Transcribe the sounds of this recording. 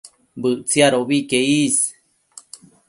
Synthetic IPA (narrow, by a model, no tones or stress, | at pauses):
bɨʔt͡siaɾoʔβikeis